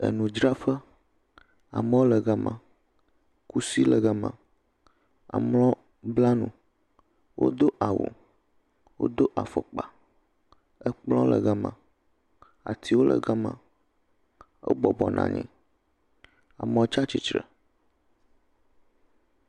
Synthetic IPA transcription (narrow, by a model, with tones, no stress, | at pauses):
ə̰˨nũ˨d͡ʒɾa˦ɸə˦ | a˨mẽ˦wo˦lə˨ɡa˦mã˨ | ku˦si˦lə˨ɡə˦mã˨ | a̰˨mlɔ̃˦ | bla˦nũ˨ | wʔo̰˦d̪o˦ʔa˨wṵ˨ | wo̰˦d̪o˦ʔa˨fɔ˨k͡pa˨ | ə˦k͡plɔ̃˦lə˨ɡə˦mã̰˨ | a̰˨t̪ʰi˦wo˦lə̰˨ɡɛ˦mã̰˨ | o̰˦bɔ˨bɔ˨nʔã̰˨ɲɛ̰̃˨ | a˨mɔ̃˨˦t͡ʃa˦t͡ɕi˨t͡ʃɾə˨